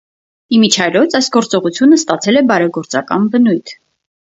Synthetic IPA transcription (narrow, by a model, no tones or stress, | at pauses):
imit͡ʃʰɑjɾɔt͡sɑjsɡ̥ɔɾt͡sɔʁut͡sʰjunəst̪ɑt͡sʰɛlɛbɑɾɛɡɔɾt͡sɑkɑ̰nbənujt̪ʰ